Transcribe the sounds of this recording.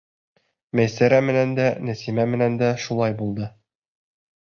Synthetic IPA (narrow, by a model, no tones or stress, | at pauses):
mæjsæɾæmɘ̆nænd̪ænæsimæmɘ̆nænd̪æʃulˠɑjbulˠd̪ɤ